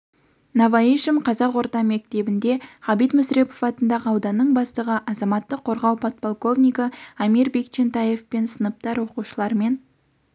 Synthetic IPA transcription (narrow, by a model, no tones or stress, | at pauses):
nɑvɑiʃəmqʰɑzɑqwo̞ɾt̪ɑme̞k̚t̪e̞bɪnd̪e̞χɑbijt̪mʊsɾe̞pofɑt̪ənd̪ɑʁəɑwd̪ɑnːəɴbɑst̪əʁəʔɑzɑmɑt̪ːəqʰːo̞ɾʁɑwpʰot̪̚polˠko̞vnijkəamiɾbe̞kt͡ʃʰent̪ɑje̞fpe̞nsənəp̚t̪ɑɾwo̞quʃəlˠɑɾme̞n